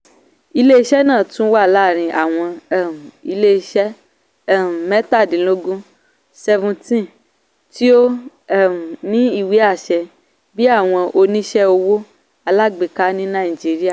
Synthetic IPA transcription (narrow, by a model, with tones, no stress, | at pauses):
i˧le˦i˦ʃɛ˦nã˦˨tũ˨˦wa˦˨la˦˨ɾ̃ĩ˧ʔa˨w̃ɔ̃˧˦˨ | i˧le˦˧˦ʃɛ˦˨ | mɛ̃˦ta˦˨dĩ˨lo˦ɡũ˦ | sɛ˧vũ˧tĩ˦ | ti˦o˦˨ | nĩ˦i˦˨wi˨˦a˦˨ʃɛ˧ | bi˦a˦˨w̃ɔ̃˧ʔo˧nĩ˦ʃɛ˦o˧wo˦ | a˧la˦˨ɡ͡be˨ka˦nĩ˦nã˦˨i˨d͡ʒi˨˦ɾi˦a˦˨